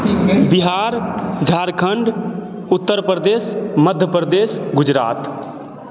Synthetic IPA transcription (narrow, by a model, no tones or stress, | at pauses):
biɦaɾd͡ʒʱaɾkʰəɳɖ | ʊt̪ːəɾpɾəd̪esməd̪ʱjəpɾəd̪esɡʊd͡ʒɾa̰ːt̪